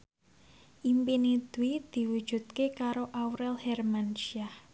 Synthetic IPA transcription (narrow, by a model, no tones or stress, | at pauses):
ʔimpinid̪̥uwid̪̥i̤wud̥ʒ̥ṳt̪̚kekaɾoʔawɾɛlhɛrmanʃiah